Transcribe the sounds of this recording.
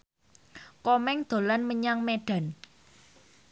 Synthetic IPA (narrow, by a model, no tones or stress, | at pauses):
kɔmɛŋd̪̥o̤lanməɲaŋmeɖ̥a̤n